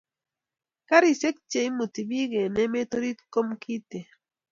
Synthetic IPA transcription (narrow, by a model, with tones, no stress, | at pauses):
ka˦ɾi˨se˦k̚t͡ʃe˨i˦mo˨ti˨bi˦ɡe˨nɛ˦me˦to˦ɾi˦tko˦mkʰi˦te˨